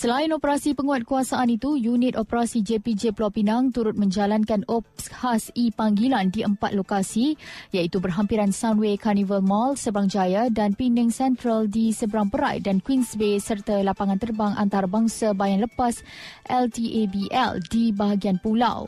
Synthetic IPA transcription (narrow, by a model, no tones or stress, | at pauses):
səlaɪnopəɾasipəŋuat̪̚kuasaʔanit̪ujunɪt̪opəɾasid͡ʒepid͡ʒepəlawpinaŋt̪uɾʊt̪̚mə̃ɲd͡ʒalankanɔpshasipaŋɡilandiʔəmpat̪̚lokasijait̪ubərɦampiɾansawnwekʰanivəlmalsəbəɾaŋd͡ʒajadanpinəŋsɛnt̪ɾaldisəbəɾaŋpəɾa̰jdankwinsbesərt̪alapaŋãnt̪ərbaŋʔa̰nt̪aɾabaŋsabajaŋləpas | ʔɛlt̪iʔebiʔɛ̰ldibaɦaɡianpula̰w